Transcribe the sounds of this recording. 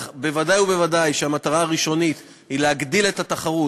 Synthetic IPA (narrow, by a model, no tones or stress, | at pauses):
be̞vadajube̞vadajʃeamat̪aʁaːʁiʃo̞nit̪ | hileɦaɡdile̞tat̪aχaʁu